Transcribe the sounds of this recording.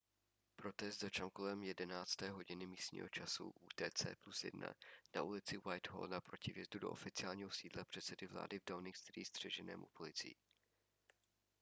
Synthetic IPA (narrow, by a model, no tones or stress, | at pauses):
pɾo̞t̪ɛst̪zat͡ʃamkolɛmjɛdɛnaːt͡st̪ɛːɦo̞ɟɪnɪmiːst̪ɲḭːɦo̞t͡ʃasṵʔuːt̪ɛːt͡sɛ̰ːplusjɛ̰dna̰naʔuːlɪt͡sɪwajt̪ho̰ldapɾo̞cɪvjɛzdudo̞ʔo̰fɪt͡sɪaːlɲiːɦo̞siːdlapr̝̥ɛt̪t͡sɛdɪvla̰ːdɪvdawnɪŋkst̪ɾḭːsd̪r̝̥ɛʒɛnɛ̰ːmṵpo̞lɪt͡sɪ̰ji